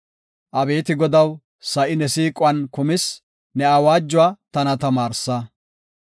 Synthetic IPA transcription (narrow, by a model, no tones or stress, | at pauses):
ʔɐbe̞ːt̪ɪɡɔd̪ɐw | sɐʔɪnɛsiːkʼʊwɐnkʊmɪs | nɛɐwaːd͡ʒːʊwaːt̪ɐnɐt̪ɐmaːɾsɐ